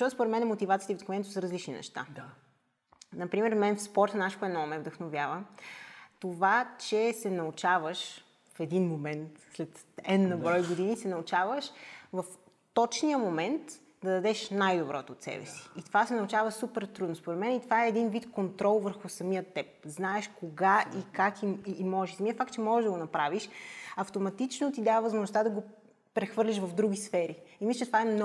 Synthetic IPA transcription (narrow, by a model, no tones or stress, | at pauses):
ʃtɔt̪ʊs̬poɾɛt̪mɛnɛmot̪ivat̪sijət̪ifd̪kmɛnt̪ʊsɾəzlit͡ʃninɛ̰ʃt̪a̰ | nɐpɾimɛɾmɛnfspɔɾt̪naʃkoɛnɔmɛvd̪əxnovʲjavə | t̪ovat͡ʃɛsɛnɐut͡ʃavəʃ | fɛd̪inmomɛnt̪slɛt̪ɛd̪nɐbɾɔjɡod̪inisɛnɐʊt͡ʃavəʃvɐf | t̪ɔt͡ʃnijəmomɛnt̪ | d̪ɐd̪ɐd̪ɛʃnajd̪obɾɔt̪oːt̪sɛ̰bɛ̰si̥it̪ovasɛnɐut͡ʃavəsupɛɾt̪ɾud̪nospoɾɛt̪mɛnɛit̪ovaɛːd̪invit̪kont̪ɾɔlˠvəɾxusɐmiət̪ːɛp̚znaɛʃkoɡaʔikakimɔʒɛʃsɐmiɛfak̚t̪t͡ʃɛmɔʒɛʒd̪ɐɡonɐpɾaviʃɐft̪omɐt̪it͡ʃnot̪id̪avəvɐzmoʒnost̪ad̪ɐɡo | pɾɛxvɤɾlʲiʃvɐvd̪ɾuɡʲisfɛɾiimisʲlt͡ʃɛt̪ovaɛn